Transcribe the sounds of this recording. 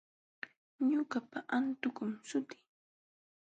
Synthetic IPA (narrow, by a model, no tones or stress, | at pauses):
ɲʊkapaʔant̪ʊkʊmsʊt̪ɪ̥